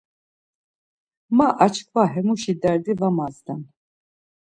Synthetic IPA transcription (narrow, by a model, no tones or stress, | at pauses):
maʔat͡ʃʰkʰvaɦɛmuʃid̪ɛɾd̪ivamazd̪an